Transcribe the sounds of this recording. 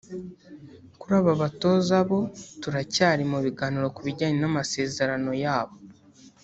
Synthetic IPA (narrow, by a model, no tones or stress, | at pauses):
kuɾaβaβato̞zaβo̞tuɾacaːɾimuβiɡaːniɾo̞kuβiɾɟaːɲenamase̞ːze̞ɾano̞jaːβo̞